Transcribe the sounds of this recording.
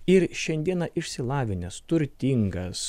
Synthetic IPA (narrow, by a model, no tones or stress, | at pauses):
ɪɾʃʲɛnʲd̪ʲiɛnɑʔɪʃʲsʲɪlˠɑːʋʲɪnʲɛst̪ʊɾʲt̪ʲɪŋɡɐs